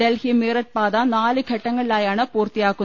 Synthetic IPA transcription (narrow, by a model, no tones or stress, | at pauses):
ɛlhimeːɾɐʈ̚paːðaːnaːlɯkʰɐʈːɐŋɡɐɭɭaːjaːnɐpoːɾt̪ijaːkːɯ